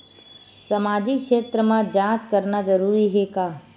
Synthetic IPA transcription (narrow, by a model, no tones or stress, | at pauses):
sɐmaːd͡ʒɪkʃeːt̪ɾəmãd͡ʒãːt͡ʃkɐɾnad͡ʒɐɾuːɾiɦɛkaː